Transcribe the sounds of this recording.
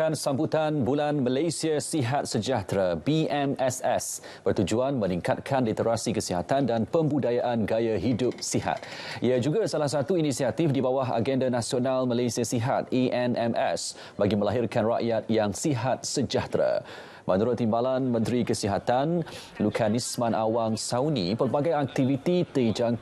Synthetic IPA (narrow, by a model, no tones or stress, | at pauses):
kansambut̪anbulanməlajsiasiɦat̪̚səd͡ʒaht̪ɾabiɛmɛsɛs | b̥ərt̪ud͡ʒuanmə̃niŋkat̪̚kʰandɛt̪əɾasikəsiɦat̪andanpəmbudajaʔanɡajaɦidʊp̚siɦa̰t̪̚ʔiad͡ʒuɡasalahs̬at̪uinĩsiat̪ifdibawaɦa̰ɡɛndanãsionalmalajsiasiɦa̰t̪̚iʔɛnɛmɛ̰s | baɡimə̃laɦɪrkanra̰ʔjat̪̚jaŋsiɦat̪̚səd͡ʒaht̪ɾa̰ | mənuɾʊt̪ːimbalanmə̃nt̪ɾikəsiɦat̪an | lukʰanismãnʔawaŋsawnĩpərbaɡajak̚t̪ivit̪it̪əd͡ʒaŋ